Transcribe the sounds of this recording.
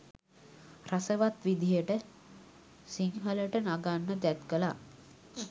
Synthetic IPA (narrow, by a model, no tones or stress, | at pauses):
rasəʋat̪ʋid̪ijəʈə | siŋɦələʈənaɡanːəd̪æt̪kəla